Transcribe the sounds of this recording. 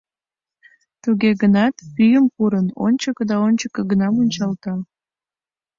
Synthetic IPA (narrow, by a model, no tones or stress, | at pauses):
t̪uɣeɡənɑt̪pyjəmpuɾəno̰nʲt͡ɕəkd̪ɑonʲt͡ɕəkəɡənɑmunʲt͡ɕɑlt̪ɑ